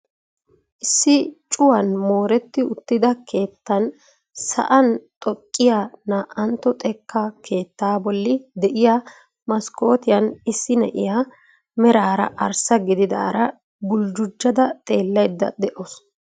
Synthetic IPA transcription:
ʔɪsːɪt͡ʃʼʊwɐnmo̞ːɾɛt̪ːɪʊt̪ːɪd̪ɐkʰe̞ːt̪ːɐn | sɐ̰ʔɐnt̪ʼɔkʼːɪjaːnaːʔɐnt̪ːɔt̪ʼɛkːakʰe̞ːt̪ːaːbɔlːɪd̪ɛʔɪja | mɐsko̞ːt̪ɪjɐnɪsːɪnɛ̰ʔɪ̰ja | mɛɾaːɾɐ̰ʔɐɾsɐɡɪd̪ɪd̪a̰ːɾɐ | bʊld͡ʒʊd͡ʒːɐd̪ɐt̪ʼe̞ːlːɐjd̪ːɐ̰d̪ɛʔos

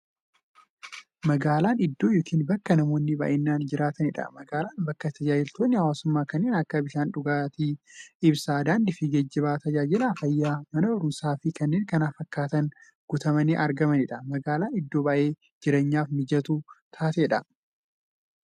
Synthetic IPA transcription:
mɐɡaːlaːnɪd̪ːo̞ːjɔːkʰiːnbɐkːɐnɐmo̞ːnːɪbɐ̰ːʔɪnːaːnd͡ʒɪɾaːt̪ɐnɪᶑɐ̰mɐɡaːlaːnbɐkːɐt̪ʰɐd͡ʒaːd͡ʒɪlt̪oːnːɪhɐwaːsʊmːaːkɐnːeːnɐkːɐbɪʃaːnᶑʊɡaːt̪iːɪbsaːd̪aːnd̪ɪfɪd͡ʒɐd͡ʒːɐβaːt̪ɐd͡ʒaːd͡ʒɪlɐfɐjːaːmɐnɐbɐɾʊmsaːfɪkɐnːeːŋkɐnafɐkːaːt̪ɐn | ɡ̥ʊt̪ɐmɐniːʔɐɾɡɐmɐnɪᶑɐmɐɡaːlaːnɪd̪ːo̞ːbaːʔe̞ː | d͡ʒɪɾeːɲːaːfmɪd͡ʒɐt̪uːt̪ʰaːt̪eːᶑɐ

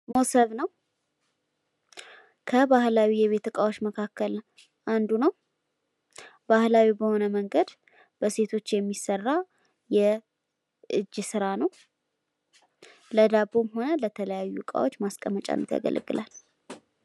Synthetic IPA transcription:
mosəβnəw | kʰəbahlawijɛβe̞t̪ʰəkʼawo̞t͡ʃːməkʰakːəl | ʔand̪unəw | bahlawibəho̞nəməŋɡəd̪ | b̥əse̞t̪ʰo̞t͡ʃːjɛmːisərːa | jɛ | ʔɨd͡ʒːɨsɨɾanəw | ləd̪abo̞mho̞nələt̪ʰələjajːukʼa̰wo̞t͡ʃːmaskʼəmːət͡ʃʼa̰nːət̪ja̰ɡə̰lə̰ɡɨlʔal

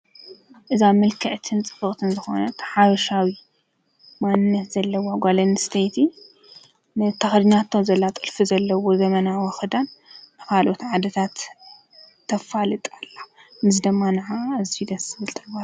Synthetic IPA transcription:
ʔɨzamɨlkʰɐʔt̪ʰɨnt͡sʼɨ̥fɨkʼt̪ʰɨnzɨxo̞̰nɐt̪ʰɐ̥ħaβɐʃawi | manɨnːɐt̪zɐlːɐwaɡʷalɐnst̪ʰejt̪ʰi | nɨt̪ʰːɐxd̪ɨɲat̪ʰːozɐlːat̪ʼɨlfizɐlːɐwozɐmɐnawɐxɨd̪anːɨkalʔot̪ʕad̪ɐt̪ʰat̪ | t̪ʰːɐfalɨt̪ʼalːamɨzid̪ɨmːanɐʕazfid̪ɐsɨβɨlt̪ʼɐba

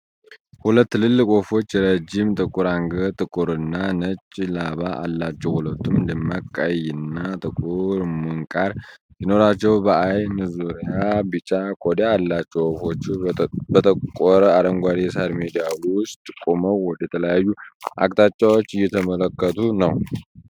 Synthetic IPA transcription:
hulət̪ːɨlɨlːɨkʼo̞fo̞t͡ʃːɾəd͡ʒɪmt̪ʼɨkʼuɾaŋɡət̪ʼɨkʼuɾɨnːanət͡ʃʼlaβaʔa̰lːat͡ʃːɛwhulət̪ʰːumlɨmːakʼːəjɨnːat̪ʼɨkʼuɾmɨŋkʼaɾ | jino̞ɾat͡ʃːɛwbəʔajnɨzuɾijabɨt͡ʃʼakʰʼod̪jaːlːat͡ʃːɛwofo̞t͡ʃːɪbət̪ʰəkʼɔɾaɾəŋɡʷaɾisadmed̪ijawʊst̪ʼkʼoməwːɔd̪əjɛt̪ʰələjajːuʔa̰kʼt̪ʼat͡ʃʼːawot͡ʃːɪjɛt̪ʰəmələkːət̪ʰunəw

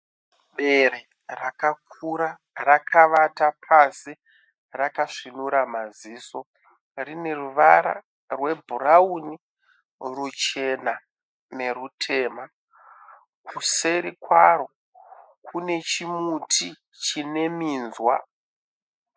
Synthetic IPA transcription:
ɓe̞ɾe | rakak̚ʰuɾa | rakʰaʋatapʰasi | rakaʂinuɾamaziːso̞ | rine̞ruʋaɾa̰ | rwe̞bʱurauni | rut͡ʃe̞na | ne̞rutʰe̞ːma | kʰuse̞ɾikwaɾo̞ | kʰune̞t͡ʃimutʰi | t͡ʃine̞miːnzwa̰

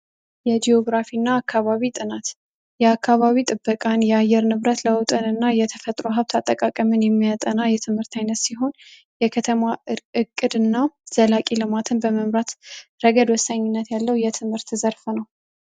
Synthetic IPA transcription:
jɛd͡ʒ̪io̞ɡɾafinːaːkʰːaβaβit̪ʼɨnat̪ | jɛakːaβaβit̪ʼɨbːəkʼanjɛajɛɾnɨβɾət̪ləʊt̪ʼənɨnːajɛt̪ʰəfət̪ʼɾoɦaβt̪ʰat̪ʼːəkʼakʼəmɨnjɛmːijat̪ʼənajɛt̪ʰɨmhɨɾt̪ʰajnət̪siɦo̞n | jɛkʰət̪ʰəmaɨkʼːɨd̪ɨnːaz̥əlakʼilɨmat̪ʰɨnbəməmɾat̪ɾəɡəd̪wɔsːaɲːɪnːət̪jalːəwjɛt̪ʰɨmhɨɾt̪zəɾfnəw

